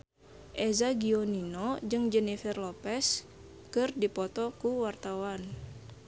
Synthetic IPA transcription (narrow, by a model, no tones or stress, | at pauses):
ʔɛzaɡioninod͡ʒɨŋd͡ʒɛnifɛrlɔpɛs | kɨrdipɔt̪ɔkuwart̪awan